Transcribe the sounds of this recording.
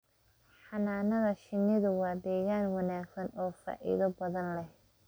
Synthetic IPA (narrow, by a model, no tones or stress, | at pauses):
ħɑnaːnɐðɐʃɪnːɪðʊwɑːd̪ɛːɣaːnwɑnaːɡsɐnɔːfa̰ːʔɪ̰ðɐbɐðɐnlɛh